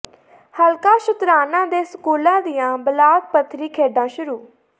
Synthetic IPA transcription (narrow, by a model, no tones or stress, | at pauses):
həlkaːʃʊt̪ɾaːnãːd̪eːsəkuːlãːd̪ɪjãːbəlaːt̪̚pət̪ʰːɾiːkʰeːɖãːʃʊɾuː